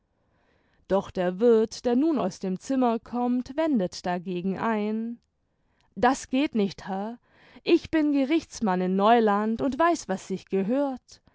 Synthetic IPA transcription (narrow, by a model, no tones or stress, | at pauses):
d̥ɔχd̥eːɐvɪɐtd̥eːɐnuːna̰ʊsd̥eːmt͡sɪmɐkʰɔmtv̥ɛndətd̥aɡeːɡŋ̩ʔaɪn | d̥asɡ̥eːtnɪçthɛɐ | ʔɪçb̥ɪnɡəʁɪçt͡smanɪnːɔʏlantʊntv̥aɪsv̥asz̥ɪçɡ̥əɦøːɐt